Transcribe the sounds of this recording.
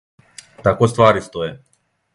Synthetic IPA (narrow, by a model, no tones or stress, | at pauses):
t̪akost̪vaːɾist̪oɛ